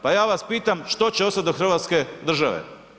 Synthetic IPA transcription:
pajaːʋaspiːt̪amʃt̪o̞t͡ɕeost̪at̪d̪oxɾr̩ʋat̪ske̞d̪r̩ʒaʋḛ

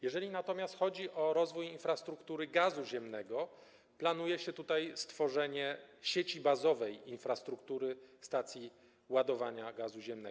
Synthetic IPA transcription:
jɛʐɛlʲinat̪ɔmʲast̪xɔd͡ʑiʔɔɾɔzvujinfɾast̪ɾukt̪uɾɘɡazuʑɛmnɛɡɔ | plan̪ujɛɕɛt̪ut̪ajst̪fɔʐɛɲɛɕet͡ɕibazɔvɛjinfɾast̪ɾukt̪uɾɘst̪at̪sʲji | wad̪ɔvaɲaɡazuʑɛmnɛ̰

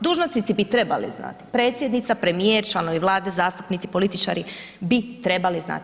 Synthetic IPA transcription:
d̪uːʒnost̪it̪sibit̪ɾe̞balḭzna̰t̪i̥pɾe̞ːt̪sje̞d̪nit̪sapɾe̞mieɾt͡ʃlˠanoʋiʋlˠaːd̪ezaːst̪u̥pnit̪sipolit̪it͡ʃa̰ːɾi | bit̪ɾe̞balizna̰ːt̪

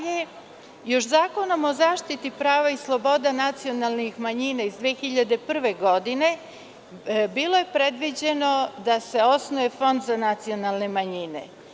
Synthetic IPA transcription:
je | jo̞ʃzaːko̞no̞mo̞zaːʃt̪it̪ipɾaːʋaislˠo̞bo̞d̪anat̪sio̞nalˠnixmaɲinaizd̪ʋeːxiʎad̪epr̩ʋe̞ɡo̞d̪ine̞ | biːlˠo̞je̞pɾed̪ʋid͡ʑe̞no̞d̪ase̞o̞snoefo̞nd̪zanat̪sio̞nalˠne̞maɲinḛ

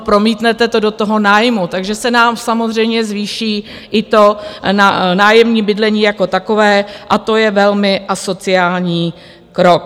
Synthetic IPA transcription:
pɾo̞miːt̪nɛt̪ɛt̪o̞do̞t̪o̞ɦo̞naːjmut̪aɡʒɛsɛnaːmsamozr̝ɛjmɲɛzviːʃiː | ʔɪt̪o̞nanaːjɛmɲiːbɪdlɛɲiːjako̞t̪ako̞vɛːʔat̪o̞jɛvɛlmɪʔaso̞t͡sɪaːlɲiː | kɾok̚

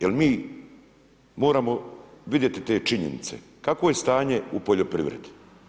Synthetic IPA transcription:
jelmiː | mo̞ːɾamoʋid̪je̞t̪it̪e̞ːt͡ʃiɲḛnḭt̪se̞̰ | kakʋoje̞st̪aːɲe̞upoʎopɾḭʋɾe̞̰d̪i̥

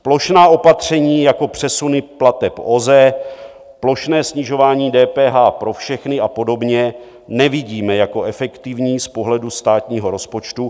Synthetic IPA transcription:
plo̞ʃnaːʔo̞pat̪r̝̥ɛɲiːjako̞pr̥ɛsunɪplat̪ɛpo̞zɛ | plo̞ʃnɛːsɲɪʒo̞vaːɲiːdɛːpɛːɦaːpɾo̞fʃɛxnɪʔapo̞do̞bɲɛ | nɛvɪɟiːmɛjako̞ɛfɛkt̪ɪvɲiːspo̞ɦlɛdust̪aːt̪ɲiːɦo̞ɾo̞spo̞t͡ʃt̪u

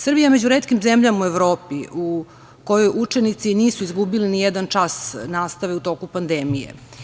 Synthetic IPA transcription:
sr̩bijame̞d͡ʑuɾet̪kimzemʎamueʋɾo̞ːpiu | ko̞jo̞jʔut͡ʂe̞nit̪siniːsuizɡubilinijed̪ant͡ʃasnaːst̪aʋeut̪o̞kupand̪emijḛ

